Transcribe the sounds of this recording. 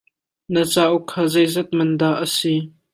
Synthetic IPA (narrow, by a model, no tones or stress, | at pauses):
nət͡saːʔukʰːaːzɛjzɛt̪̚mɐnd̪aːʔəsi